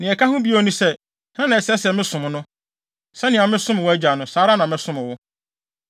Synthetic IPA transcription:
nɪ̃˨ɛ˨kʰa˦ɦʊ̃˦bi˦˨o˨nũ˦sɛ˦ | hã˦nã˨ɛ˨sɛ˦sɛ˨mɪ̃˦sʊ̃˨m̃˨nʊ̃˦ | sɛ˦nɪ̃˨a˨mɪ̃˦sʊ̃˦m˨wɔ˦æ˦d͡ʑa˨nʊ̃˦saː˨˦ɾa˦nã˨mɪ̃˦sʊ̃˦mɪ̃˨wʊ˦

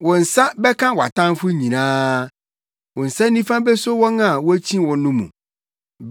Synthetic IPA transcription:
wɔ̃˨n̩˨sa˦bɛ˦kʰã˦wɔ˨a̰˨tʰã˦m˦fʊ˦ɲĩ˨nãː˦ | wɔ̃˨n̩˨sa˦nĩ˦fã˦bɛ˦so˦wɔ̃˦na˨wɔ˦æ˦t͡ɕʰĩ˦wɔ̃˨nːʊ̃˦mṵ̃˨ | b

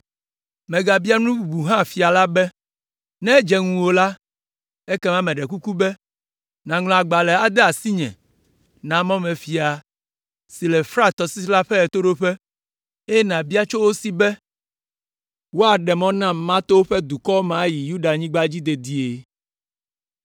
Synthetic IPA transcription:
mɛ̃˨ɡa˨bi˦a˦nũ˦bu˨bu˨ɦã˦˨fi˨a˨la˦bɛ˦ | nɛ̃˦d͡ʒɛ˦ŋũ˨wo˨la˦ | e˦kɛ˦mã˦mɛ̃˨ɖɛ˨ku˦ku˦bɛ˦ | nã˨ŋl̃ɔ̃˨a˨ɡ͡ba˨lɛ˨a˨d̪ɛ˦a˨si˦ɲɛ̰̃˨ | nã˨mɔ̃˦mɛ̃˨fi˨a˨ | si˨lɛ˨fɾa˦t̪ɔ˨si˦la˦ɸɛ˦ɛ˨t̪o˦ɖo˦ɸɛ˦ | e˦nã˨bi˦a˦t͡ʃo˦wo˦si˦bɛ˦ | wo˦a˨ɖɛ˨mɔ̃˦nã˦mã˦t̪o˦wo˦ɸɛ˦d̪u˨kɔ˦mã˨˦ji˨ju˦ɖa˨ɲĩ˦ɡ͡ba˦d͡ʑi˦d̪e˨d̪i˦e˨

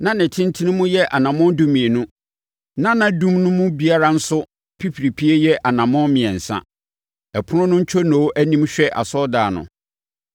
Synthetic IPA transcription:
nã˨nɪ̃˨tʰɪ̃˦n˦tʰi˦nɪ̃˦mʊ̃˦jɛ˦ʔa˨nã˨mɔ̃˦ndu˦mĩ˨e˨nʊ̃˦ | nã˦nã˦dũ˦mnʊ̃˦mʊ̃˦bi˦a˦ɾa˦n̩˦sʊ˦ | pʰi˦pʰɾi˨pʰi˦e˦jɛ˦ʔa˨nã˨mɔ̃˦mɪ̃˨ɛ̃˨n̩˨sã̰˦ | ɛ˨pʰʊ˦nʊ̃˦nʊ̃˦ɲ̩˦t͡ɕᶣʰɔ˦nõ˨wo˦ʔæ˦nĩ˦mɕᶣɛ˦ʔa̰˨sɔ˦daː˨nʊ̰̃˨

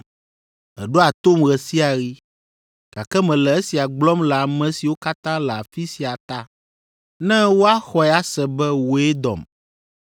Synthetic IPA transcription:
ɛ˨ɖo˦a˨t̪o˦mɣɛ˨si˦a˨ɣi˦ | ka˨kɛ˦mɛ̃˨lɛ˨e˦si˨a˨ɡ͡blɔ˦mlɛ˨a˨mɛ̃˨si˨wo˦ka˦t̪ã˦lɛ˨a˨fi˦si˨a˨t̪a˦ | nɛ̃˦wo˦a˦xɔ˨ɛ˦a˦sɛ˨bɛ˦wo˦ɛ˦d̪ɔ̰˨m

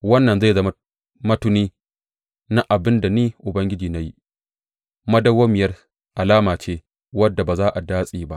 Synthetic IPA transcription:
wɐ˦nːɐ˨nza˦˨zɐ˦m˦ | mɐ˦tʊ˦niː˦ | na˦ʔa˨bɪ˦nda˨niː˦ʔʊ˨bɐ˦ŋɡʲɪ˦d͡ʒiː˨na˦ji˦ | mɐ˦dɐ˦woː˦mɪ˨jɐ˦r | ʔa˨laː˦maː˨t͡ʃeː˦ | wɐ˦dːa˨ba˨zaː˦ʔa˨daː˦sʼiː˨ba˦ʔ

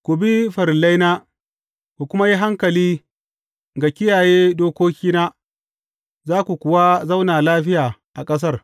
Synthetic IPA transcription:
kʷu˨bi˦ɸɐ˨ɾɪ˨la˦jna˦ | kʷu˨kʷʊ˦ma˦ji˦ɦa˦ŋkɐ˨liː˦ | ɡa˨kʲɪ˦jaː˨jeː˦doː˦kʷoː˦kʲiː˦naː˦ | zaː˦kʷu˨kʷʊ˨wa˦za˦wnaː˨laː˦ɸɪ˦jaː˨ʔa˨kʼɐ˦s̬ɐ˦r

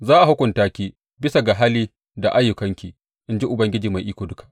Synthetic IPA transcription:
zaː˦ʔa˨hʊ˦kʷʊ˨ntaː˦kʲiː˦ | bɪ˦sa˨ɡa˨ɦaː˦liː˦ | da˨ʔa˦jːʊ˨kɐ˦ŋkʲiː˨ | ʔɪ˦nd͡ʒi˦ʔʊ˨bɐ˦ŋɡʲɪ˦d͡ʒiː˨ma˨ʔiː˦kʷoː˨dʊ˦kḁ˨ʔ

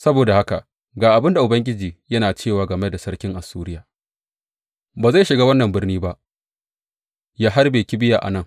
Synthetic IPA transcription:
sɐ˦boː˨da˨ha˦ka˨ʔ | ɡaː˨ʔa˨bɪ˦nda˨ʔʊ˨bɐ˦ŋɡʲɪ˦d͡ʒiː˨jɐ˦naː˨t͡ʃeː˦˨waː˨ɡɐ˨me˦da˨sɐ˦ɾkʲɪ˦ŋʔa˨suː˦ɾɪ˦jaː˨ | baː˨za˦˨jʃɪ˨ɡaː˦wɐ˦nːɐ˨mbɪ˦rniː˦ba˦ʔ | jaː˦ɦa˦rbeː˨kʲɪ˦bɪ˦jaː˨ʔa̰˨nɐ˦ŋ

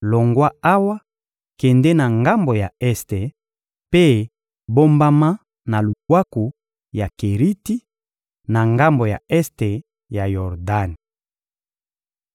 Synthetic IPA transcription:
lo˨ŋɡwa˦a˦wa˦ | kɛ˨ndɛ˦na˨ŋɡa˦mbo˨ja˨ɛ˦ste˨ | pe˦ | bo˦mba˦ma˦ | na˨lu˨ɡwa˦ku˨ | ja˨ke˨ʁi˦ti˦ | na˨ŋɡa˦mbo˨ja̰˨ɛ˦ste˨ | ja˨jɔ˨ʁda˦ni˨

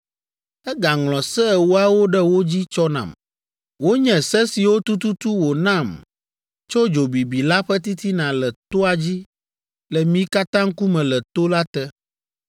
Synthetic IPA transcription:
ɛ˦ɡa˨ŋlɔ̃˨sɛ˦˨wo˦a˦wo˦ɖɛ˦wo˦d͡ʑi˦t͡ʃɔ˦nã̰˨m | wo˦ɲɛ̃˨sɛ˦si˨wo˦t̪u˦t̪u˦t̪u˦wo˨nã˦˨m | t͡ʃo˦d͡ʒo˨bi˨bi˨la˦ɸɛ˦t̪i˦t̪i˦nã˨lɛ˨t̪o˦a˨d͡ʑi˦ | lɛ˨mĩ˦ka˦t̪ã˦ŋ̩˦ku˦mɛ̃˨lɛ˨t̪o˦la˦t̪ɛ˦

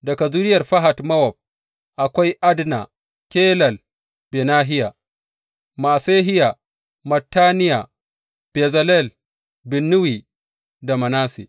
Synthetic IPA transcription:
dɐ˨ka˨zu˦ɾɪ˦jɐ˨rɸɐ˦ɦa˨tmɐ˦wɔ˨b̚ | ʔa˨kʷa˦jʔa˦dna̰˨ | kʲeː˦lɐ˨l | be˨naː˦ɦɪ˦ja˨ | maː˨seː˦ɦɪ˦ja˨ | mɐ˨tːaː˦nɪ˦ja˨ | b̥e˨zɐ˦lɛ˦˨l | bɪ˨nːʊ˦wi˨ | da˨mɐ˨naː˦sḛ˨

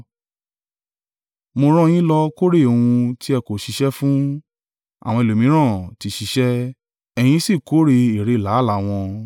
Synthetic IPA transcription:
mo˧ɾ̃ɔ̃˦j̃ĩ˦lɔ˧ko˦ɾe˦˨o˧˨ũ˧ti˦ɛ˧ko˨ʃi˨˦ʃɛ˦fũ˦ | a̰˨w̃ɔ̃˧e˨lo˨mĩ˨˦ɾ̃ã˦˨ti˧˦ʃi˧˦ʃɛ˦ | ɛ˧j̃ĩ˧˦si˦˨ko˨˦ɾe˧i˨ɾe˨˧˨la˨˦˨la˨˦w̃ɔ̃˧

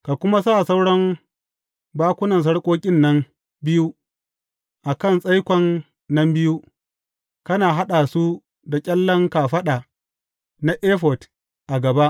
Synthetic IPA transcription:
ka˨kʷʊ˦ma˦saː˦˨sa˦wɽɔ˦m | baː˦kʷʊ˦nɐ˨ns̬ɐ˦ɽkʷʼoː˦kʲʼɪ˦nːɐ˦m | bɪ˦ju˦ | ʔa˨kɐ˦˨nsʼɐ˦jkʷɔ˨nː | ɐ˦mbɪ˦ju˦ | kɐ˦naː˨ɦa˦ɗa˨su˦ | da˨kʲʼɛ˦lːɐ˦ŋka˨ɸɐ˦ɗaː˨ | na˦ʔeː˦ɸɔ˨t | ʔa˨ɡɐ˨ba˦ʔ

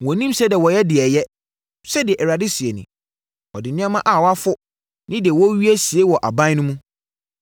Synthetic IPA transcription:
wɔ̃˨nĩ˦msɛ˦dɪ˨wɔ˨jɛ˦dɪ˨ɛ˨jɛ˦ | sɛ˦dɪ˨ɛ˨ʔɛ˨ɾa˨dɪ˦si˨e˨nɪ̰̃˨ | ɔ̰˨dɪ˨nɪ̃˦ã˦mã˦ʔa˨wɔ˦a˦fʊ˦ | nɪ̃˦dɪ˨ɛ˨wɔ˦ɥi˦æ˦si˨e˦wɔ˨ʔa̰˨bã˦nʊ̃˦mũ˦

